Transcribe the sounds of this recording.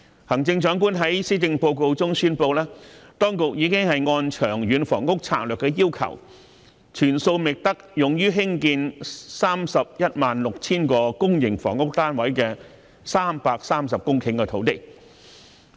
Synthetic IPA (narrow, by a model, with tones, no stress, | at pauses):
hɐ˨˩ŋt͡sɪ˧ŋt͡ʃœː˨˥ŋkuː˥nɦɐ˨˥jsiː˥t͡sɪ˧ŋpo˧wko˧wt͡sʊ˥ŋsyː˥npo˧wlɛː˥t̪ɔː˥ŋkʊ˨k̚jiː˨˧˥kɪ˥ŋhɐ˨jŋɔː˧nt͡ʃʰœː˨˩ŋɥyː˨˥nfɔ̰ː˨˩ŋkʊ˥k̚t͡sʰa̰ː˧k̚lœː˨˩kːɛː˧ji˥wkʰɐ̰˨˩w | t͡ʃʰyː˨˩nso˧wmɪ˨k̚t̪ɐ˥k̚jʊ˨ŋjyː˥ɦɪ˥ŋkiː˧nsaː˥msɐ˨p̚jɐ˥t̚maː˨nlʊ˨k̚t͡sʰiː˥nkɔː˧kʊ˥ŋjɪ˨˩ŋfɔ̰ː˨˩ŋkʊ˥k̚t̪aː˥nwɐ˨˥jkɛː˧ | saː˥mpaː˧k̚saː˥msɐ˨p̚kʊ˥ŋkʰɪ˧˩ŋkɛː˧t̪ʰo˨˥wt̪ɪ˥k̚